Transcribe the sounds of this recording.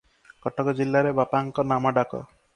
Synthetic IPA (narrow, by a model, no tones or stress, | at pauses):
kɔʈɔkɔd͡ʒilːaɾebapaŋkɔnamɔɖakɔ̰